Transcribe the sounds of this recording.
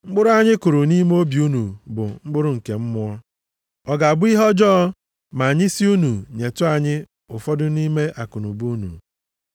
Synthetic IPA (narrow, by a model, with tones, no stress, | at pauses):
ŋ͡m̩˦ɡ͡bʊ˦ɾʊ˦a˨ɲɪ˦kʊ˨ɾʊ˨ni˦m˦o˦bi˨u˦nu˨bʊ̰˨ŋ͡m̩˦ɡ͡bʊ˦ɾʊ˦ŋ̩˨ke˨m̩˦mʊ˦ɔ˦ | ɔ˨ɡa˨a˨bʊ˦i˦ɦɔ˦d͡ʒɔː˦ɔ˦ | ma˨ɲɪ˦si˦u˦nu˨ɲe˨tʊ˦a˨ɲɪ˦ | ʊ˨fɔ˦dʊ˦ni˦me˦ʔa˨kʊ˨nṵ˨bu˦nṵ˨